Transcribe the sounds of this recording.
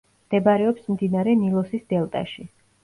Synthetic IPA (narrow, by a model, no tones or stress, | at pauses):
md̪̥ɛbaɾɛɔpsmd̪inaɾɛnilˠɔsisd̪̥ɛlˠt̪ʼa̰ʃi